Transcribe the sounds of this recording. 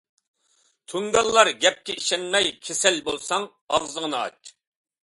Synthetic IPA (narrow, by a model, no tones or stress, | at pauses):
t̪ʰuŋɡ̪ɑlˠːɑɾɡʲɛp̚kʲɛiʃɛnmɛjkʲʰesɛlbolˠsɑŋ | ɑvzəŋnɨɑ̰t͡ʃ